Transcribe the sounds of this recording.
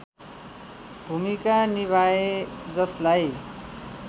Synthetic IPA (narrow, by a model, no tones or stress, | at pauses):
bʱumikaniβʱaed͡zʌslaj